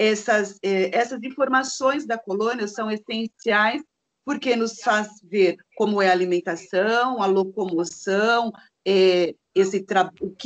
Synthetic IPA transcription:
ɛsɐzɛɛsɐzĩfoɾmasõj̃zd̪ɐkolõniɐsɐ̃w̃esẽsiajs | poɾkenʊsfazveɾkõmʊɛɐaːlimẽnt̪asɐ̃w̃ɐlokomosɐ̃w̃ | ɛ | esɪt̪ɾaʊk

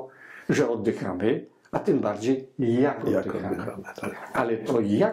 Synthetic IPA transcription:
ʐɛɔd̪ːɪxa̰mɘ | at̪ɪmbaɾd͡ʑejːakɔxamaalɛt̪ɔja

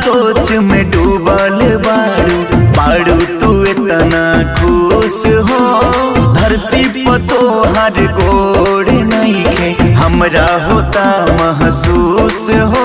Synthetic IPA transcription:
soːt͡ʃmẽːɖuːbalebaːɽubaːɽut̪uet̪ɐnakʰusɦo | d̪ʱɐɾt̪ipɐt̪oɦaɾɡoɽenaĩkʰeɦɐmɾaɦoːt̪amɐɦsusɦo

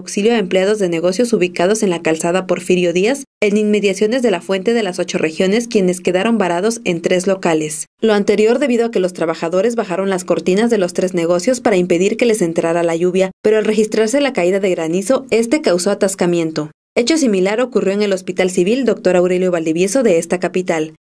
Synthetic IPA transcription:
awksiljoaempleað̞o̞zðene̞ɣ̞o̞sjo̞suβikað̞o̞se̞nlakalsaðapo̞ɾfiɾjo̞ðiase̞ninme̞ðjasjo̞ne̞zðe̞lafwe̞nt̪e̞ðe̞laso̞t͡ʃo̞re̞xjo̞ne̞skje̞ne̞ske̞ðaɾo̞mbaɾaðo̞se̞nt̪ɾezlo̞kale̞s | loant̪e̞ɾjo̞ɾðe̞βiðo̞ake̞lo̞st̪ɾaβaxaðo̞ɾe̞zβaxaɾo̞nlasko̞ɾt̪inazðe̞lo̞st̪ɾe̞zne̞ɣ̞o̞sjo̞spaɾaimpe̞ðiɾke̞le̞se̞nt̪ɾaɾalaʝuβjape̞ɾoalre̞xist̪ɾaɾse̞lakaiðaðe̞ɣɾaniso̞e̞st̪e̞kawso̞at̪askamje̞nt̪o̞ | e̞t͡ʃo̞similaɾo̞kurjo̞eŋe̞lo̞spit̪alsiβild̪o̞k̚t̪o̞ɾawɾe̞ljo̞βald̪iβjeso̞ðe̞est̪akapit̪al

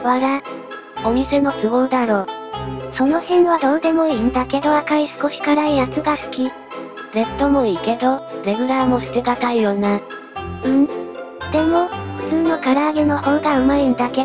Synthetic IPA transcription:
βaɾa | omʲise̞no̞sɨβo̞ːd̪aɾo̞ːso̞no̞çẽɰ̃βad̪ond̪e̞mo̞ind̪ake̞d̪o̞akaɾʲisɨ̥ko̞ɕi̥kaɾaijat͡sɨɡasɨ̥kʲi | d͡ze̞t̪ːo̞mo̞iːke̞d̪o̞ɾeɡɯ̟ɾamo̞sɨ̥t̪eɡat̪aijoːna | ɯ̟̃ | d̪̥e̞mo̞ɸɸɯ̥t͡sɨːno̞kaɾaːɡeno̞hõ̞ŋɡaɯ̟maind̪ake̞

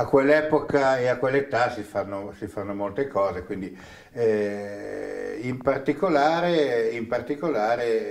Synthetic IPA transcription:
akwelːɛːpokaeakːwelːet̪asifanːosifanːomolt̪ekɔːzekwind̪i | ɛ | impart̪ikolaːɾeimpart̪ikolaːɾe

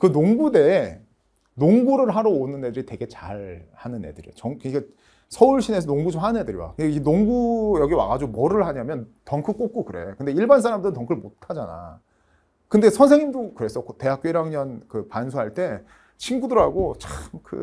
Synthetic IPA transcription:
kɯnoŋɡude̞ː | noŋɡuɾɯɭɦaɾʌonɯnːe̞dɯɾitwe̞ɡe̞t͡ɕaɭhanɯnːedɯɾḭjot͡ɕʌŋkɯik͈a | sʰʌuɭɕʰine̞sʰʌnoŋɡud͡ʑomɦanɯne̞dɯɾiwa̰kɯninoŋɡujʌɡiwa̰ɡad͡ʑomʌɾɯɭɦaɲamjʌntʌŋkʰɯk͈ok̚k͈okɯɾe̞̰jokɯnde̞iɭbans̬ʰaɾamdɯɾɯntʌŋkʰɯɭmotʰad͡ʑana̰ | kɯnde̞sʰʌnsʰeŋimdokɯɾe̞s͈ʌkʰote̞ɦak̚k͈oiɾaŋɲʌnkɯpansʰuɦaɭt͈e̞ | t͡ɕʰinɡudɯɾɦaɡot͡ɕamkɯ̰

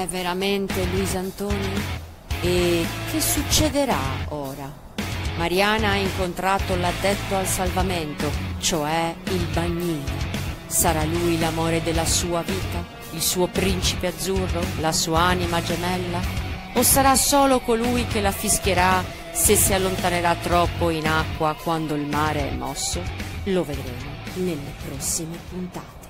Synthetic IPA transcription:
ɛvːeɾament̪eluizant̪oːni | ek̟ːesut͡ʃːed̪eɾa̰oːɾa | maɾjaːnaaiŋkont̪ɾaːt̪olad̪ːet̪ːoalsalvament̪ot͡ʃoɛilbaɲːiːno | saɾalujlamoːɾed̪elːasuːaviːt̪a | ilsuːopɾint͡ʃipead̪zːurːolasuːaaːnimad͡ʒemɛlːa | osːaɾasoːlokolujkelafisk̟eɾa | sesːialːont̪aneɾat̪ːɾɔpːoinakːwakwand̪oilmaːɾeɛ̰mːɔsːoloved̪ɾeːmonelːepɾɔsːimepunt̪aːt̪e̥

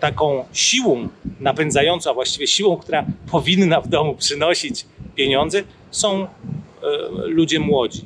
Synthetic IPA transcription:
t̪akɔ̃w̃ɕiwɔ̃w̃napɛnd̪zajɔnt̪sɔ̃w̃avwaɕt͡ɕivʲjɛɕiwɔ̃w̃k̚t̪uɾapʰɔvʲinːavd̪ɔmupʂɘnɔɕit͡ɕpʲjeɲɔ̃nd̪zɛ | sɔ̃w̃ | lud͡ʑɛmwɔd͡ʑi

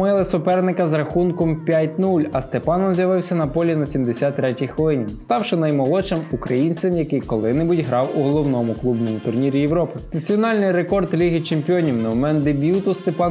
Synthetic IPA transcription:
ɪlˠɪsʊpɛrnɪkɐzrɐxunkɔmpʲjatʲnulʲɐst̪epɑnɔmzʲjɐʋɪwsʲɐnɐpɔlʲinɐsʲimd̪esʲɑt̪ːɾɛtʲijxʋɔlˠɪnʲist̪ɑwʃɪnɐjmɔlˠɔt͡ʃɪmukɾɐjinʲt͡sʲɪmjɐkɪjkɔlˠɪnɪbudʲɦɾɑwuɦɔlˠɔwnɔmʊklˠubnɔmʊt̪ʊrnʲiɾʲijeʋɾɔpɪnɐt͡sʲiɔnɑlʲnɪjrekɔrd̪lʲiɦɪt͡ʃemʲpʲiɔnʲiwnɛmɛnd̪ebʲjut̪ʊst̪epɑ

